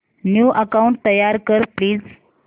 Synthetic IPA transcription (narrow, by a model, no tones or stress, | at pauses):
njuːʔəkauɳʈ̚t̪əjaɾkəɾpliːd͡z